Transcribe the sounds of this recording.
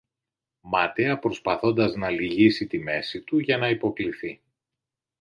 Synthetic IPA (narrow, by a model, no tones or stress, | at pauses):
mɐt̪eɐpɾo̞spɐθo̞nd̪ɐznɐliʝisit̪ime̞sit̪uʝɐnɐipo̞kliθi